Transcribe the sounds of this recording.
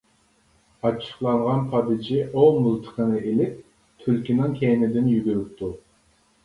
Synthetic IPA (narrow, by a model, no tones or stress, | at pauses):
ɑt͡ʃʰːə̥χlˠɑɴʁɑnpʰɑd̪ɨd͡ʒiʔomulˠt̪ʰə̥qʰənɨʔelɪp̚ | t̪ʰylkʲinɨŋkʲʰɛnɪd̪ɪnjyɡʲyɾyp̚t̪ʰu